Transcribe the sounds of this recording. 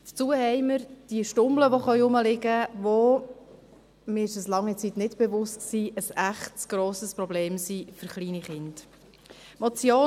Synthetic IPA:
də̥t͡suːəhɛɪməɾd̥iəʃtʊmbləʋoχœʏʊməlɪɡəvo | mɪɪʃəslɑŋːit͡sitnɪtb̥evʊstksiːʔəsæχtsɡ̥ɾoːsəspɾɔbleːmsifʏɾχliːniχɪnd̥ | mot͡sjoː

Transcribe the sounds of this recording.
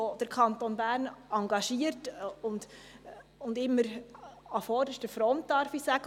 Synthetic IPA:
od̥əɾkʰɑnt̪onbæːɾnɑŋɡɑʃiːəɾtʊnd̥ | ʊndɪmːəɾɑfɔːdəʃtəfɾɔnt̚d̥ɑɾfisæɡ̥ə

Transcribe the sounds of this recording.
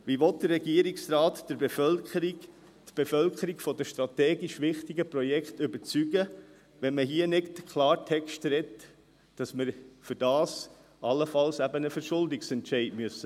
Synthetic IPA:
ʋiʋɔt̚d̥ərːɛɡiəɾiksɾaːtd̥əɾbefœləɾi | t̪b̥efœlkəɾiɡfɔd̪əʃtɾɑtɛːɡiʃʋɪχtiɡəpɾɔjɛkχtʏbəɾt͡syɡə | ʋɛnməɦiənɪtkʰlɑːɾtʰɛkʃtɾɛtː | ɑsməɾfʏɾdɑːs | ɑlːəfɑlsæbənəfəɾʃʊldɪksɛntʃɛɪdmyəsːə

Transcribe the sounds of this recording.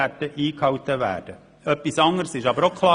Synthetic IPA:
ætəʔiːkhɑwt̪əvæ̰ːɾd̥ə | œpːisɑŋːəɾsɪʃɑbəɾokʰχlˠɑː

